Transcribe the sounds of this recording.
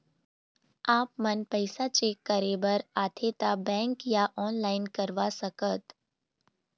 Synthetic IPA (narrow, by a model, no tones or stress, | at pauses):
aːpmənpəɪsat͡ʃekːəɾebəɾat̪ʰet̪abɛ̃ŋkjaʔɔːnlaɪnkəɾʋasəkət̪